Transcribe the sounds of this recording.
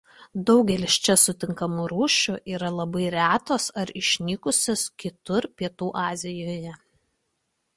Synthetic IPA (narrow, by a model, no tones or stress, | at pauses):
d̪ɒʊɡʲɛlʲɪst͡ʃʲɛsʊt̪ʲɪŋkɐmuːɾuːʃʲʊʔiːɾɐlˠɐbɐɪɾʲæːt̪oːsɐɾɪʃʲnʲikʊsʲoskʲɪt̪ʊɾpʲiɛt̪uːʔɑːzʲɪjoːjɛ